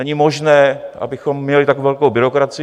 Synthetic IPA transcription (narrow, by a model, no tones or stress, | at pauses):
ɛɲɪmo̞ʒnɛːʔa̰bɪxo̞mːɲɛlɪt̪akvɛlkowbɪɾo̞kɾat͡sɪ